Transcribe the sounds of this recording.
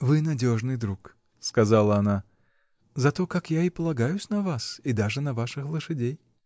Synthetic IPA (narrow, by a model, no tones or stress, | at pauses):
vɨnɐdʲo̞ʐnɨjd̪ɾuk | skɐzalˠəɐna | zɐt̪o̞kakjaɪpəlˠɐɡajʊsʲnɐvasid̪aʐɨnɐvaʂɨxlˠɨʂɨdʲej